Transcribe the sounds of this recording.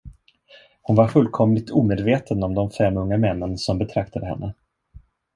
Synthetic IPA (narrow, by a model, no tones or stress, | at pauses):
hʊnvaɾfɵlːkʰɔmlɪt̪ʰuːmeːd̪veːt̪ʰənɔmd̪ɔmfɛmːɵŋːamɛnːənsɔmbɛt̪ʰɾak̚t̪ʰad̪əɦɛ̰nːə